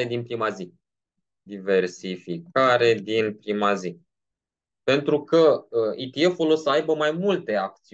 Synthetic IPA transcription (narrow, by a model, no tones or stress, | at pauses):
e̞d̪inpɾimazi | d̪ive̞rsifikaɾe̞d̪inpɾimazi | pe̞nt̪ɾukəəit̪iefolosəajbəmajmult̪e̞ak̚t̪si